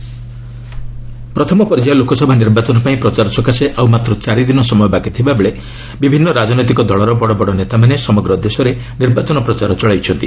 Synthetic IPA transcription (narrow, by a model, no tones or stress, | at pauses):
pɾɔt̪ʰɔmɔpɔɾd͡ʒajɔlokɔsɔbʱaniɾbat͡ʃɔnɔpaĩpɾɔt͡ʃaɾɔsɔkaseʔawmat̪ɾɔt͡ʃaɾid̪inɔsɔmɔjɔbakit̪ʰibabeɭe | bibʱinːɔɾad͡ʒɔnɔjt̪ikɔd̪ɔɭɔɾɔbɔɽɔbɔɽɔnet̪amanesɔmɔɡɾɔd̪esɔɾe | niɾbat͡ʃɔnɔpɾɔt͡ʃaɾɔt͡ʃɔɭajt͡ʃʰɔnt̪ḭ